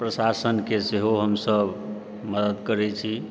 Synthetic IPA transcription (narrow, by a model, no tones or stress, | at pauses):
pɾəsasənkeseɦoɦəmsəb | məd̪əd̪kəɾɛt͡ʃʰi